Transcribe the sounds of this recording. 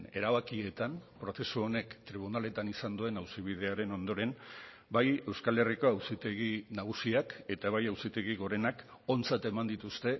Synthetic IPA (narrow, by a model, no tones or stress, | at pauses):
ne̞ɾaβakie̞t̪anpɾo̞θe̞suo̞ne̞kt̪ɾiβ̞unale̞t̪anisand̪ue̞nawsiβ̞iðe̞aɾe̞no̞nd̪o̞ɾe̞n | baje̞wskale̞riko̞awsit̪e̞ɣ̞inaɣ̞usiake̞t̪aβajawsit̪e̞ɣiɣo̞ɾe̞nak | o̞nt͡sat̪e̞mand̪it̪ust̪e̞